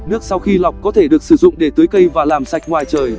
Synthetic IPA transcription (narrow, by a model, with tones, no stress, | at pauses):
nɨ˦˥ək̚sa˧wxi˧la˨˩wk͡p̚kɔ˨˦t̪ʰe˧˩ɗɨ˨˩ək̚sɨ˧˩zʊ̰˧˨ŋ͡mɗe˧˩t̪ɨ˨˦əjkə˧jvaː˨˩laː˨˩msa˨˩jk̟̚ŋwaː˨˩jt͡ɕəː˨˩j